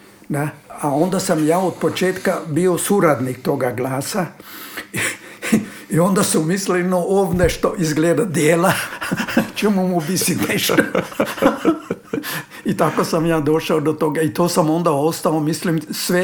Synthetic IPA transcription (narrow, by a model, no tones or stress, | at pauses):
d̪aaond̪asamjaːot̪̚pot͡ʃeːt̪kabiosuɾad̪nikt̪oɡaɡlaːsa | iond̪asumislnoʔoʋneʃt̪oʔizɡled̪ad̪jeːla | t͡ʃemumubisinɛʃt̪o | it̪akosamjaːd̪oʃaod̪ot̪oɡait̪oːsamond̪aost̪aomislimsʋe